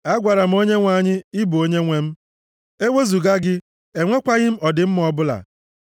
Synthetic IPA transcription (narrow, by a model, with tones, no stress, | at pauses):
a˦ɡʷa˨ɾa˨m̩˦o˦ɲe˦ŋʷa˦˨ɲɪ˦ɪ˦bu˨o˦ɲe˦ŋʷe˦m̩˦ | e˦wʷe˦zu˨ɡa˦ɡɪ˦ | e˨ŋʷe˦kʷa˦ɣɪ˦m̩˦ɔ˨dɪ˨m̩˦m˦ɔ˦bʊ˦la̰˨